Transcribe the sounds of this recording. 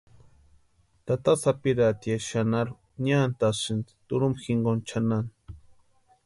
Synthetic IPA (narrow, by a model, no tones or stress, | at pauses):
t̪at̪asapiɾat̪jaʃanaɾu | ɲant̪asɨnd̪i̥t̪uɾumxiŋɡont͡ʃʰanan